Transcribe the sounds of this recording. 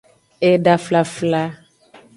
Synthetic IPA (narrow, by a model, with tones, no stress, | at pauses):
e˨ɖa˨fla˨fla˦